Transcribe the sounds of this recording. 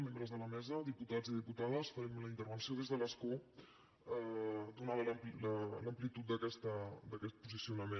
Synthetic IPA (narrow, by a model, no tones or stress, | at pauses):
membɾəzðələmɛzəðiput̪ad͡ziðiput̪að̞əsfəɾɛmləint̪əɾβənsioðezðələsku | əd̪unaβələmplələmplit̪ut̪̚d̪əkɛst̪əd̪əkɛt̪̚puzisiunəme